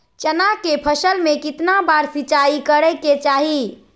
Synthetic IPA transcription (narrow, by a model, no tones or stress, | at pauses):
t͡ʃənakepʰəsəlmekit̪nabaɾsit͡ʃaikəɾɛket͡ʃaɦi